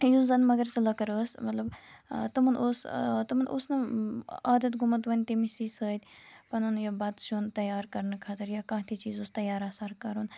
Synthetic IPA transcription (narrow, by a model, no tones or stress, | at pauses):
juzɐnmɐɡɐɾsɐlɐkɐɾəːsmɐt̪lɐbt̪ɐmɐnʔoːst̪ɐmɐnʔo̰snɐaːd̪ɐt̪ɡʊmɐt̪ʋɐnʲt̪emisiːsəːt̪ʲpɐnunjɐbɐd̪ʃunt̪ɐjaːɾkɐɾnɐkʰaːt̪əɾjakãːɦt̪ʰit͡ʃiːzoːst̪ɐjaːɾaːsaɾkɐɾun